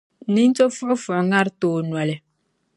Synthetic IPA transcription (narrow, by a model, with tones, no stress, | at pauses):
ni˦n˦t͡ʃo˦fɔ˦fɔ˨ʔŋa˦ɾtoː˨nwa˨lɛ˨